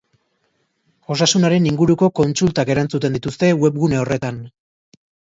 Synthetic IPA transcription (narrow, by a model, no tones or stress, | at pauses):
o̞sasunaɾe̞niŋɡuɾuko̞ko̞nt͡sult̪ake̞ɾant͡sut̪e̞nd̪it̪ust̪e̞we̞bɣune̞o̞re̞t̪an